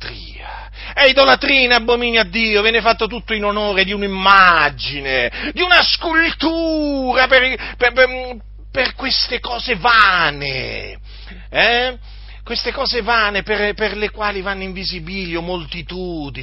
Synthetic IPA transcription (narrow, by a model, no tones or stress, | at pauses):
t̪ɾiːa | ɛid̪olat̪ɾiːnaːbːomiːnjaad̪ːiːovjɛːnefat̪ːot̪ut̪ːoinonoːɾed̪iunimːad͡ʒined̪iunaskult̪uːɾapeɾp | perkwest̪ekɔːzevaːnḛ | ɛ | kwest̪ekɔːzevaːneperperlekwaːlivanːiɱvizibiːliomːolt̪it̪uːd̪i